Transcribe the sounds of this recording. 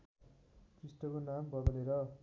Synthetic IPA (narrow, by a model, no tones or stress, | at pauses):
krisʈʌkonambʌd̪ʌleɾʌ